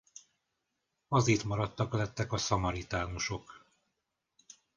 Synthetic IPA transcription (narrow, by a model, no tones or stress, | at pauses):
ɒziːt̪mɒɾɒt̪ːɒklɛt̪ːɛkɒsɒmɒɾit̪aːnuʃo̞k